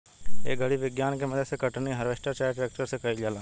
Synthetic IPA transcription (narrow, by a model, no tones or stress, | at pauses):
ḛːɡʱɐɽiʋɪɡjaːnkemɐd̪ʱsekəʈniɦɐɾʋeːʃʈət͡ʃaːʈɪɾeːk̚ʈəɾsekɐid͡ʒaːlaː